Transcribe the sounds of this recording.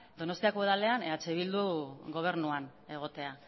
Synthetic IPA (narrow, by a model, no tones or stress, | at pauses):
d̪o̞no̞st̪iakoeðale̞aneat͡seβild̪uɣo̞β̞e̞ɾnuan | e̞ɣ̞o̞t̪e̞a